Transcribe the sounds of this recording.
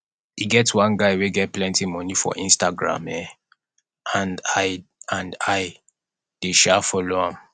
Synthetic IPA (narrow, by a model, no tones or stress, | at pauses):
iɡɛtwãnɡaɪweɡɛt̚plɛ̃ntimɔnifɔ̰ʔĩnstaɡɹã̰mɛ | ãnaɪãndaɪ | d̥eʃɛfɔloãm